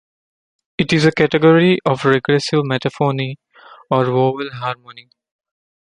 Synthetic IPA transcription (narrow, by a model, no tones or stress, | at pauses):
ɪʈɪzəkæʈəɡɔɾiʔɔːfɾeɡɾɛsɪʋmɛʈəfɔːni | ɔːɾʋoːʋəlɦaːɾmõni